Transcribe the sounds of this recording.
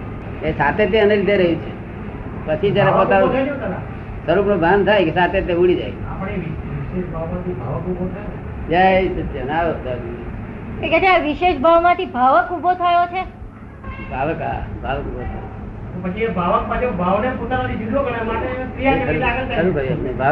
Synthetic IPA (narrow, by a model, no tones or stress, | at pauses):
esat̪ʰet̪eənelid̪ʱeɾəɦũt͡ʃʰe | pət͡ʃʰid͡ʒjaɾepot̪aɾt̪əɾũt̪ʰəɾã | səɾupnobʱant̪ʰajkesat̪ʰet̪euɽid͡ʒa̰ja̰pəɽeʋiʋiʃeʃbʱaʋmãt̪ʰibʱaʋəkubʱot̪ʰəjonʰe | d͡ʒajt̪od͡ʒənaʋət̪adi | eked͡ʒ̪jʋiʃeʃbʱaʋmãt̪ʰibʱaʋəkubʱot̪ʰəjot͡ʃʰe | bʱaʋəka̰bʱaʋəkubot̪ʰa̰j̰ | t̪opət͡ʃʰiebʱaʋəkmãd͡ʒebʱaʋnepot̪anat̪ʰid͡ʒid̪okəɽemaʈepɾijaeɾilaɡəɾt̪ʰaəɾubəɾiapnebʱa